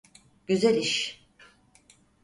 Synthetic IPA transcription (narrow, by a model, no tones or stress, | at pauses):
ɟ̥yzælʲiʃ